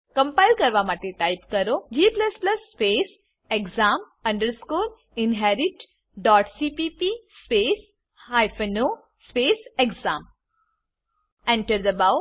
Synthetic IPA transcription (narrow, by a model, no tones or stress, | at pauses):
kɐ̃mpajlkɐɾʋamat̪eʈajpkɐɾod͡ʒiːplɐsplɐsːpeːs | ekzaːm | ɐ̃ɳɖəɾskuːl | inɦɛɾiʈ | ɖɔːʈsipipispeːs | hajfəno | speːseɡzaːm | ɛ̃ɳʈəɾd̪əbaw